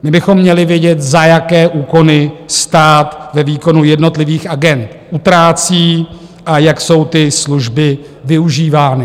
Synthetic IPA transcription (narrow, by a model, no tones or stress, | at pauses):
mɪbɪxo̞mːɲɛlɪvjɛɟɛt̪zajakɛːʔuːko̞nɪst̪aːt̪vɛviːko̞nujɛdno̞t̪lɪviːxʔaɡɛnt̪ʔut̪ɾaːt͡siː | ʔajakso̞wt̪ɪsluʒbɪ | vɪuʒiːvaːnɪ